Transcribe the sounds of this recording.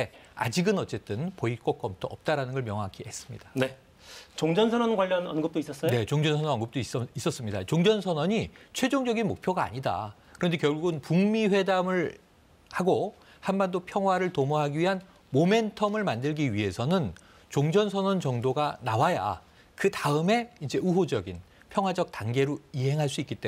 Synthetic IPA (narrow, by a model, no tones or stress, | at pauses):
ea̰d͡ʑiɡɯnʌt͡ɕ͈e̞t͈ɯnpoik͈ʌk͈̚ʌmtʰoʌp̚t͈aɾanɯnɡʌɭmjʌŋɦakʰiɦe̞s͈ɯmɲḭd̥ḁne̞ | t͡ɕoŋd͡ʑʌnsʰʌnʌnɡwaʎːjʌnʌnɡɯp̚t͈ois͈ʌs͈ʌjoe̞t͡ɕoŋd͡ʑʌnsʰʌnʌnʌnɡɯp̚t͈oisis͈ʌs͈ɯmɲidat͡ɕoŋd͡ʑʌnsʰʌnʌɲit͡ɕʰwe̞d͡ʑoŋd͡ʑʌɡinmo̰k̚pʰjoɡaa̰ɲida̰ | kɯɾʌnde̞kjʌɭɡuɡɯnpuŋmiɸwe̞damɯɭ | haɡo | hambandopʰjʌŋɦwaɾɯɭtomoɦaɡiɥiɦan | mome̞ntʰʌmɯɭmandɯɭɡiɥiɦe̞sʰʌnɯn | t͡ɕoŋd͡ʑʌnsʰʌnʌnt͡ɕʌŋdoɡanawaja̰ | kɯtaɯme̞ind͡ʑe̞uɦod͡ʑʌɡin | pʰjʌŋɦwad͡ʑʌk̚taŋɡe̞ɾoiɦe̞ŋɦaɭs̬͈uik͈it͈e